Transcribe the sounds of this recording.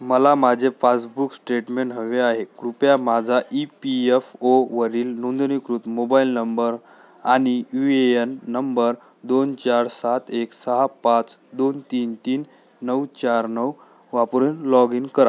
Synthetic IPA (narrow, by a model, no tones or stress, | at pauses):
məlamad͡ʑʱefasbuksʈɾeʈmeɳʈɦəʋeaɦekɾupjamad͡zʱaʔipiefoʋəɾiːlnũnd̪nikɾuːt̪mobailnəmbəɾ | añijueənːəmbəɾ | d̪ont͡ɕaɾsat̪eksəɦapat͡sd̪ont̪iːnt̪iːnː | əwt͡ɕaɾnəw | ʋapɾunlɔɡinkəɾa